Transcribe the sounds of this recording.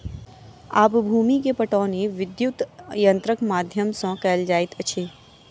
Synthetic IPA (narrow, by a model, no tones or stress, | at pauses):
aːpbʱuːmikepəʈɔ̃ːneʋɪd̪jut̪jə̃nt̪ɾəkmaːd̪ʱjəmsɔ̃kɛːld͡ʒaːɪt̪ət͡ʃʰeː